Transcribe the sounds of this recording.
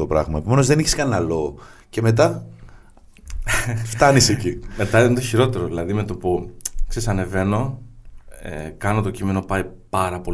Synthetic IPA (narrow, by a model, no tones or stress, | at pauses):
opɾɐ̰ɣmɐe̞pome̞no̞zðe̞niçi̥skɐnnɐlo̞ce̞me̞t̪̬ɐ | ft̪ɐnisecime̞t̪ɐint̪oçiɾo̞t̪e̞ɾoðilɐðime̞t̪o̞puksesɐne̞ve̞no̞ | ḛkɐnot̪o̞cime̞no̞pɐipɐɾɐpo̞